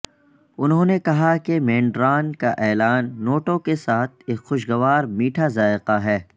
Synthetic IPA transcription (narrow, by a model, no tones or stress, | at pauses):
ʊnɦõːnekɐɦakemẽːɳɖɾaːnkaʔɛːlaːnːoːʈõkesaːt̪̚ʰeːkxʊʃɡɐʋaːɾmiːʈʰazaːɪqaɦɛː